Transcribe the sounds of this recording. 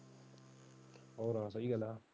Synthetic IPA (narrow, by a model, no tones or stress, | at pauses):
awɾasaiɡala